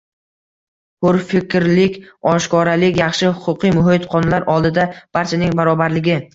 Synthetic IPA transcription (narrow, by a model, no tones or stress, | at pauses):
hʊɾfɪkʲɾlɪkʲɒʃkɒɾalɪkʲjɑχʃɪhʊqʰʊqɨjmʊɦɪt̪qʰɒnlaɾʔɒlˠd̪ɪd̪ab̥aɾt͡ʃʰanɪŋbaɾɒbaɾlɪɡʲɪ